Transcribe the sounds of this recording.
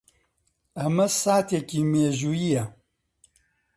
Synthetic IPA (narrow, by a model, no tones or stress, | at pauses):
ɐmɐsaːt̪ekiːmeːʒuːjijɐ